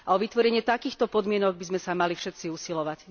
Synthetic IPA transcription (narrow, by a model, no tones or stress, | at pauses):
aɔʋit̪ʋɔɾɛɲɪɛt̪akiːxt̪ɔpɔd̪mɪɛnɔɡ̚bizmɛsamalifʃɛt̪siusilɔʋac